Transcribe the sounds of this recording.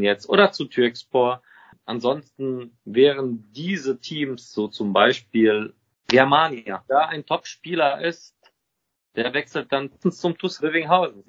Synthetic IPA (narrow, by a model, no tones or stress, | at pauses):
njɛt͡stʔo̰ːɾɐt͡sutʰyɐkspoːɐ | ʔanzɔnstn̩vɛːʁənd̥iːzətʰiːmsz̥oːt͡sʊmbaɪʃpiːl | ɡɛɐmaːnjad̥aːaɪntʰɔpʃpiːlɐʔɪst | d̥eːɐvɛksl̩t̚d̥ann̩st͡sʊmtʰʊsʁɪvɪŋɦaʊzn̩